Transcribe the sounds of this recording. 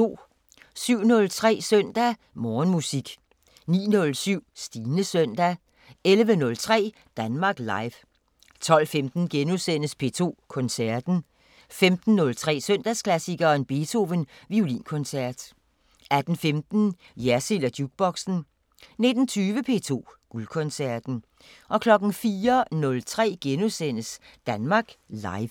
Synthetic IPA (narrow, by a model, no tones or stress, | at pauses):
o̝̰ː | syʊ̰nɔ̽lt͡sʰʁɛ̰ːsœn̰d̥æ | mɒːnmusiɡ̥ | nḭːnɔ̽lsyʊ̰sd̥iːnəsøn̰d̥æ | elʋənɔ̽lt͡sʰʁɛ̰ː | d̥ænmɑ̈ːɡ̥lɑ̈ɪʋ | t͡sʰɒ̽l̰femd̥n̩ɡ̥enusen̰əspʰe̝ːt͡sʰo̝̰ːkʰɔ̽nsæɐ̰d̥n̩ | femd̥n̩ːɔ̽lt͡sʰʁɛ̰ːsøn̰d̥æskʰlæsiɡ̥ɐenb̥e̝t͡sʰo̝ʋənʋiulḭːnkʰɔ̽nsæɐ̰d̥ | æd̥n̩femd̥n̩ | jæsilæd̥juɡ̥̚b̥ɒ̽ɡ̥sn̩ | ne̝d̥n̩t͡sʰyːʋəpʰe̝̰ːt͡sʰo̝̰ːɡ̥ulkʰɔ̽nsæɐd̥n̩ | ʔɒ̽kʰlɒ̽ɡ̥n̩fiːɐnɔ̽lt͡sʰʁɛ̰ːɡ̥enusen̰əsd̥ænmɑ̈ːɡ̥lɑ̈ɪʋ